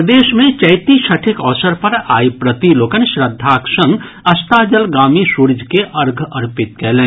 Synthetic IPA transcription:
d̪eːʃmẽt͡ʃɐjt̪iʃɐʈʰɪkɔːsəɾpɐɾaːjpɾət̪iloːkənʃɾəd̪ʱːaːksə̃ŋɡ | ɐst̪aːd͡ʒəlɡaːmisuɾd͡ʒʱkeʔəɾɡʱəɾpɪt̪̚kɛːlẽː

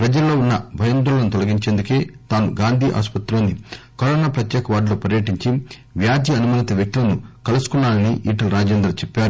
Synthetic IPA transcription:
pɾɐd͡ʒɐlːo̞ːunːɐbʱɐjɐnd̪ulɐnut̪ɔlɐɡiɲt͡ʃe̞ːnd̪uke̞ːt̪aːnuɡaːnd̪ʱiːʔa̰ːspɐt̪ɾoːnːi | kɐɾoːnaːpɾɐt̪jɛːkɐʋaːɖlo̞ːpɐɾjɐʈiɲt͡ʃi | ʋjaːd͡ʒ̪jiɐnumɐnit̪ɐʋjɐk̚t̪ilɐnukɐlusu̥kunːaːlɐniʔiːʈɐlɾaːd͡ʒeːnd̪ɾɐt͡ʃɛpːaːɾu

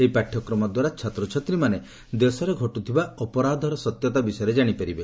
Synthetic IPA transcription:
eipaʈʰjɔkɾɔmɔd̪waɾat͡ʃʰat̪ɾɔt͡ʃʰɔt̪ɾimane | d̪esɔɾeɡʱɔʈut̪ʰibaɔpɔɾad̪ʱɔɾɔsɔt̪jɔt̪abisɔjɔɾed͡ʒaɽ̃ipaɾibe

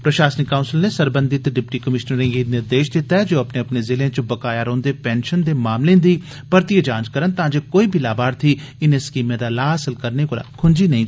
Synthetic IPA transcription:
pɾəʃaːsənɪkːaːʊnsɪlneːsəɾbə̃nd̪ɪt̪ɖɪpʈiːkəmɪʃnəɾɪ̃ːŋɡiːnɪɾd̪eːʃt̪eːt̪ɛːd͡ʒoːəpneːəpneːzɪleẽːt͡ʃbəkaːjaːɾõːnd̪eːpɛːnʃənd̪eːmaːmlẽːd̪iː | pəɾt̪iəd͡ʒãːnd͡ʒkəɾənt̪ãːd͡ʒeːkoːiːbʱiːlaːbaːɾt̪ʰiː | ɪnẽːskiːmẽːd̪aːlaːəsəlkəɾneːkoːla̰ːkʰʊnd͡ʒiːnəɦĩː

